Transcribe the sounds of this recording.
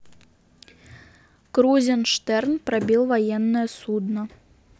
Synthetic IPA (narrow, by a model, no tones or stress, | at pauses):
kɾuzʲɪnʂt̪ɛrnpɾabʲilˠvajɛnːɨjəsud̪nɐ